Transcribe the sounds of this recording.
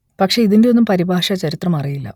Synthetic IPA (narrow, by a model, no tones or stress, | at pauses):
pɐkʂe̞iðinde̞onːumpɐɾibʱaːʂɐt͡ɕɐɾit̪rɐmɐrijilːɐ̰